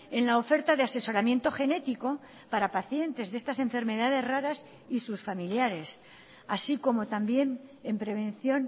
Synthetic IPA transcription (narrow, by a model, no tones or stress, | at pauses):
e̞nlao̞fe̞ɾt̪aðease̞so̞ɾamjẽ̞nt̪o̞xe̞ne̞t̪iko̞ | paɾapaθje̞nt̪e̞zðe̞st̪ase̞ɱfe̞ɾme̞ðað̞e̞zraɾas | isusfamiljaɾe̞s | asiko̞mo̞t̪ambje̞ne̞mpɾe̞β̞ẽ̞nθjo̞n